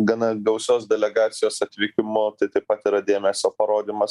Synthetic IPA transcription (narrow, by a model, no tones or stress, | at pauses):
ɡɐnɐɡɐʊsʲoːsd̪ʲɛlʲɛɡɑːt̪sʲɪjoːsɐt̪ʲʋʲɪkʲɪmʊt̪ɐɪt̪ɐɪpɐt̪ɪɾɐd̪ʲeːmʲɛsʲoːpɐɾoːd̪ʲiːmɐs